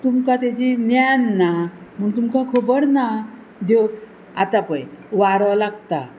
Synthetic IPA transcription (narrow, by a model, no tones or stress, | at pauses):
t̪umkat̪ad͡ʑinjanːam̤əɳt̪umkakʰobəɾna | d̪ok | a̰t̪apə̃jʋaɾʋalaɡt̪a